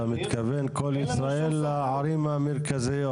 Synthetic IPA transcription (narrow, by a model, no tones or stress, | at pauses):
amit̪kavenkolisɾaʔelːaʕaɾimameɾkazijo